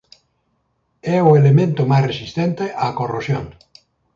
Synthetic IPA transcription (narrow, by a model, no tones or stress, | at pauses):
ɛoelemẽnt̪omajsresist̪ent̪eʔakorosjoŋ